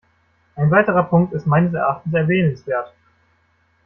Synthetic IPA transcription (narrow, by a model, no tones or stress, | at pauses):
ʔaɪnvaɪtəʁ̞ɐpʰʊŋk̚tɪstmaɪnəs̬ɛɐʔaχtn̩sɛɐvɛːnənsv̥eːɐt